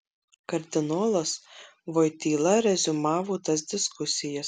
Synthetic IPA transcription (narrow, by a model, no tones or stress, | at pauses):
kɐɾʲd̪ʲɪnoːlˠɐs | ʋoːjt̪ʲiːlˠɐɾʲɛzʲʊmɑːʋuːt̪ɐs̬d̪ʲɪskʊsʲɪjɛs